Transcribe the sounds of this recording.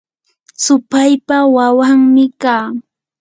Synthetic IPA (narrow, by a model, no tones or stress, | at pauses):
sʊpajpawawaŋmɪkaː